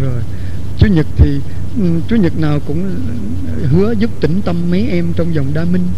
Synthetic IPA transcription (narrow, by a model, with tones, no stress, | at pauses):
zo˨˩j | t͡ɕu˨˦ɲɨ˨˩k̚t̪ʰi˨˩˨ | t͡ɕu˨˦ɲɨ˨˩t̚naː˨˩wkʊ̰˧˥ŋ͡m | ɦɨ˨˦əzʊ˦˥p̚t̪ï˧˩ŋ̟t̪ə˧mːə˨˦jʔɛ˧mt͡ɕɔ˧wŋ͡mza˨˩wŋ͡mɗaː˧mï˧ŋ̟